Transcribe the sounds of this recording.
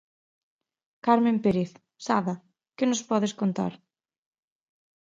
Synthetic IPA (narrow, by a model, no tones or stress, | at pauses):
kaɾmẽmpeɾeθ | saβɐ | kɪnʊspɔðɪskont̪a̰ɾ